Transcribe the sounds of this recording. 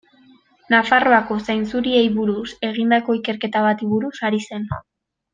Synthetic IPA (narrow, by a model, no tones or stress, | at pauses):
nafaro̞ako̞sajnt͡suɾie̞jβuɾuse̞ɣ̞ind̪ako̞ike̞ɾke̞t̪aβat̪iβuɾusaɾise̞n